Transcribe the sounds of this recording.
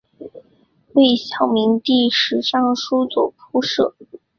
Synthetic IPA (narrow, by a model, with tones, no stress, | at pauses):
we˥˩ɪɕjɑ˨˩ʊmi˧˥ŋt̪i˥˩ʂɻ̩˧˥ʈ͡ʂɑ˥˩ŋʂu˥t͡swɔ˨˩pʰu˥ʂɤ˥˩